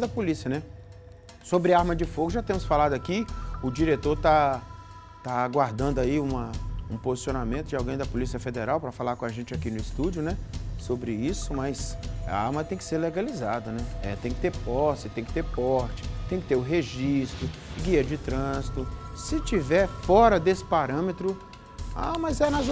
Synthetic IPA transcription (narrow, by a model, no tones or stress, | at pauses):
d̪ɐpolisiɐnɛ | sobɾɪaɾmɐd͡ʒɪfoɡʊʒat̪ẽmʊsfalad̪ʊakiʊd͡ʒiɾet̪oɾt̪a | t̪aaɡwaɾd̪ɐ̃nd̪ʊaiũmɐũpozisionamẽt̪ʊd͡ʒɪawɡẽj̃d̪ɐpolisijɐfed̪eɾawpɾɐfalaɾkõaʒẽnt͡ʃakinʊɪst̪ud͡ʒʊnɛsobɾɪisʊmɐjsa̰aɾmɐt̪ẽj̃kɪ̥seɾleɡalizad̪ɐnɛɛt̪ẽj̃kɪ̥t̪eɾpɔsɪt̪ẽj̃kɪt̪eɾpɔɾt͡ʃɪ̥t̪ẽj̃kɪ̥t̪eɾʊɦeʒist̪ɾʊ | ɡiɐd͡ʒɪt̪ɾɐ̃zit̪ʊsɪt͡ʃivɛɾfɔɾɐd̪esɪ̥paɾɐ̃met̪ɾʊ | amɐzɛnɐz